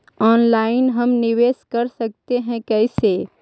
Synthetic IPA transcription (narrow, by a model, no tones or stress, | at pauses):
ɔːnlaːɪnɦɐmnɪʋeːskɐɾsɐk̚t̪eɦɛ̃kɛːseː